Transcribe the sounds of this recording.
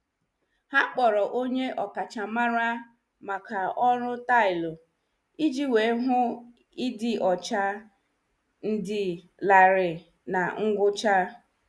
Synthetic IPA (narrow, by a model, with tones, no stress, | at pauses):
ha˦k͡pɔ˨ɾɔ˨ʔo˦ɲe˦ʔɔ˨ka˨t͡ʃa˨ma˦ɾa˦ | ma˨ka˨ɔ˦ɾʊ˦ta˦˨ɪ˨lʊ˨ | i˦d͡ʒi˦we˨˦ɦʊ˦ | i˦dɪ˦ʔɔ˨t͡ʃa˦ | n̩˦dɪ˨ | la˨ɾɪ˨ | na˨ŋ̩˦ɡʷʊ˦t͡ʃa˦